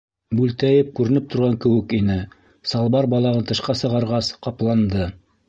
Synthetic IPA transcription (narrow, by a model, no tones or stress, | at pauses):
bʉlt̪æjɘp̚kʉɾɘ̆nɘp̚t̪ŏɾʁɑŋkɘ̆wɘ̆kinɘ | sɑlˠbɑɾbɑlˠɑʁɤnt̪ɤ̆ʃqɑsɤ̆ʁɑɾʁɑsqɑplˠɑnd̪ɤ